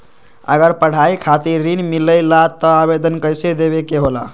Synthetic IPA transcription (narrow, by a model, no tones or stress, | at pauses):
ə̰ɡəɾpəɽ̤aikʰat̪iɾːinmiləjlat̪əabed̪ənkəjsed̪ebekeɦola̰